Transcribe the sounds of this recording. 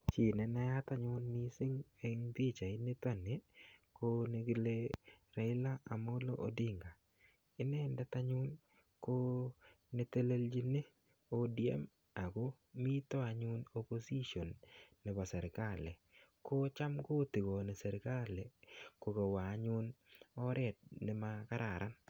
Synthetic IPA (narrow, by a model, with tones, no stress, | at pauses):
t͡ʃi˨nɛ˨na˦ja˦t̪a˦ɲʊ˦nːi˦sɪ˦ŋe˦ŋd̪i˦t͡ʃa˨ɪ˦ne˦t̪a˦˨ne˨ko˦ne˨ɡe˦le˦ɾa˨ɪ˦la˦a˨mo˦lo˦o̰˨dɪ˦ŋɡa˨ | ɪ˦nɛ˦nda˦t̪a˦ɲʊ˦n | ko˦ | ne˦t̪e˦le˦ld͡ʒi˦ne˦ | o˦diɛ̰˦m | a˨ɡo˦ | mi˦t̪ɔ˦a˨ɲʊ˦no˦po˦si˦ʃo˨nːɛ˨ba˨sɛ˨ɾɪ˨ka˦lɛ˨ko˦t͡ʃa˦mko˦t̪i˨ɡo˨ne˨sɛ˨ɾɪ˨ka˦le˨ko˨ko˨waː˨˦ɲʊ˦nɔ˦ɾɛ˦t̚nɪ˦maka˦ɾʔa˨ɾʔa˦n